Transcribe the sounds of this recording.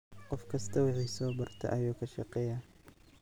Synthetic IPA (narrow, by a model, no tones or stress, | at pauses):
qɔfkʰɐst̪ʰɐwɪħiːsɔːbɐrt̪ʰɐ̰ʔɐjuːkʰɐʃɑ̰qɛːja